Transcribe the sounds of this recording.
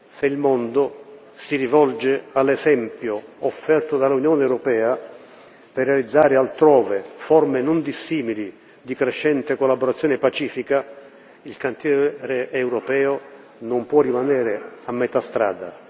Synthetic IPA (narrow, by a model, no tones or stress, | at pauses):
seilmond̪o | siɾivɔld͡ʒealːezɛmpjoofːɛrt̪od̪alːunjɔːneːwɾopɛːa | perːealid̪zːaːɾɪalt̪ɾɔːvefɔrmenond̪isːiːmili | d̪ikɾeʃːɛnt̪ekolːaboɾat̪sːjoːnepat͡ʃiːfika | ilkant̪jɛɾeewɾopɛːo | nompwɔrːimanɛːɾeamːet̪ast̪ɾa̰ːd̪a̰